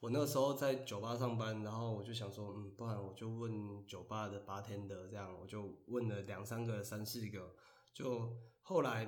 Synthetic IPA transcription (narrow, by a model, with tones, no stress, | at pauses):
wɔ˨˩na˥˩ɡə˩ʂɻ̩˧˥xo˥˧ʊt͡sa˥˩ɪt͡ɕjo˨˩ʊpa˥˧ʂ̬ɑ˥˩ŋpa˦nna˧˥nxo˥˩ʊwɔ˨˩t͡ɕjo˥˩ʊɕjɑ˨˩ŋʂwɔ˦˥m̩˨˩pu˥˧a˨˦nwɔ˨˩t͡ɕjo˥˧ʊwə˥˨˩nt͡ɕjo˨˩ʊpa˥˧d̪ə˩pa˥t̪ʰjɛ˥nd̪ə˨t͡sɤ˥˧jɑ˥˩ŋwɔ̰˨˩t͡ɕjo˥˧ʊwə˥˩nlə˩ljɑ˨˩ŋsa˦nɡə˨sa˦nsɹ̩˥˩ɡə˩ | t͡ɕjo˥˧ʊxo˥˩ʊla˧˦˥ɪ